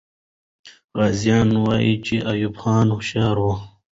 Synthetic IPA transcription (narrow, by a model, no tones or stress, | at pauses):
ɾazijɑːnwaːit͡ɕiʔajubxɑːnɕaːɾwo